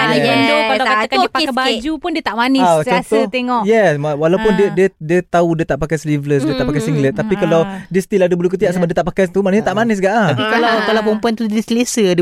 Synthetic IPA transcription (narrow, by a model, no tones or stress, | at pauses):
adiandokkalakakakaabad͡ʒupʊndiət̪aʔmanɪssɔ̃t̪ut̪eŋɔʔjɛsmawalawpʊndiədiədiət̪audiət̪aʔpakajslivləs̬diət̪aʔpakajsiŋɡlət̪̚ːapikalawdiəst̪iladiəbəlukət̪iaʔsbaʔ̚diət̪aʔpakajt̪umaʔnəhɲat̪aʔmanɪs̬ɡaʔ̪apikalawkalawp̬ɔmpuant̪udəsəlesəd